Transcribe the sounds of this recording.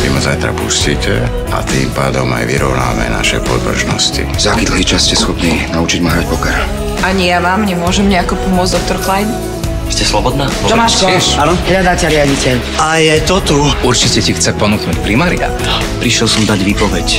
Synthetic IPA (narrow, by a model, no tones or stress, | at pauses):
ʋḭmazajt̪ɾa̰pṵsciːcɛ | a̰t̪ḭːmpaːd̪ɔma̰jʋḭɾɔʊna̰ːmɛ̰na̰ʃɛpɔ̰d̪br̩ʒnɔ̰scḭzakid̪l̩ɦiːt͡ʃasscɛsxɔpniːnaut͡ʃiɟmaɦɾac̚pɔkɛɾ | aɲijaʋaːmɲɛmʊɔʒɛmɲɛakɔpɔmʊɔd͡zd̪ɔk̚t̪ɔɾklajn | scɛslɔbɔd̪naːd͡ʒɔmaanɔɦʎad̪acɛɾɪaɟicɛʎ | ajɛt̪ɔt̪uuɾt͡ʃicɛcixt͡sɛpɔnuːknuːcpɾimaːɾia̰t̪ | pɾiʃjɛlsɔmd̪aɟʋipɔʋɛc